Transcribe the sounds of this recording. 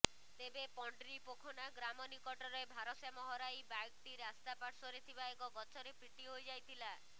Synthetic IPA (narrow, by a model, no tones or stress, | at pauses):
t̪ebepɔɳɖɾipokʰɔnaɡɾamɔnikɔʈɔɾɔebʱaɾɔsjamɔɦɔɾajbajk̚ʈiɾast̪apaɾsɔɾet̪ʰibaekɔɡɔt͡ʃɔɾepɾiʈiɦojd͡ʒajt̪ʰila